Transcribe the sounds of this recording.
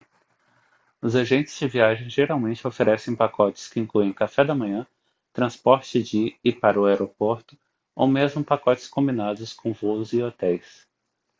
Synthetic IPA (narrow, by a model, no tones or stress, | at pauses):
ʊzaʒẽnt͡ʃɪ̥z̥d͡ʒɪviaʒẽj̃ʒeɾawmẽnt͡ʃɪofeɾɛsẽj̃pakɔt͡ʃɪ̥skɪĩŋkluẽj̃kafɛd̪ɐmɐ̃ɲɐ̃ | t̪ɾɐ̃spɔɾt͡ʃɪd͡ʒɪɪpaɾɐʊaɛɾopoɾt̪ʊ̥ | o̰wmezmʊpakɔt͡ʃɪ̥skõmbinad̪ʊskõw̃vowʊzɪot̪ɛjs